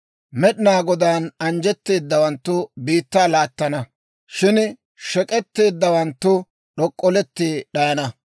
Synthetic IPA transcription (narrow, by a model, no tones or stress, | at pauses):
mɛɗɪnaːɡɔd̪aːnɐnd͡ʒɛt̪ːe̞ːd̪ːɐwɐnt̪ːʊbiːt̪ːaːlaːt̪ːɐnɐ | ʃɪn | ʃɛkʼɛt̪ːe̞ːd̪ːɐwɐnt̪ːʊ | ɗɔkʼːɔlɛt̪ːeːɗɐjɐnɐ